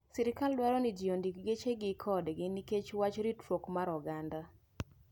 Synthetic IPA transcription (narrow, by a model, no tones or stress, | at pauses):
siɾɪkaldwaɾɔnɪd͡ʒijondikɡet͡ʃeɡɪkʰɔdɡɪniket͡ʃwat͡ʃɾitɾokmaɾɔɡanda